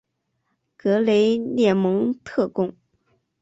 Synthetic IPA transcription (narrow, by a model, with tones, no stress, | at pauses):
kɤ˧˥le˧˥ɪljɛ˥˩mɤ˧˥ŋt̪ʰɤ˥˧kʊ˥˩ŋ